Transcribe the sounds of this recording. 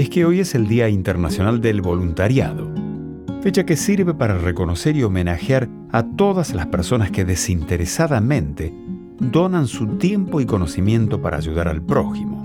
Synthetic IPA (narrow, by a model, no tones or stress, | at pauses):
eskeo̞jeseld̪iaint̪eɾnasjo̞nald̪elβo̞lunt̪aɾja̰ðo̞ | fet͡ʃake̞siɾβe̞paɾareko̞no̞seɾio̞menaxjaɾ | at̪o̞ð̞aslaspeɾso̞naskeðesint̪eɾesaðamẽ̞nt̪e | d̪o̞nansut̪je̞mpo̞iko̞no̞simje̞nt̪o̞paɾʔa̰ːʒuð̞aɾa̰lpɾo̞ximo